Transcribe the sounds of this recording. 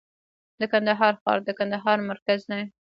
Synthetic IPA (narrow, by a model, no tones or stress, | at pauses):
d̪əkand̪aɦɑɾxɑ̰ɾd̪əkand̪aɦɑɾmaɾkaznaj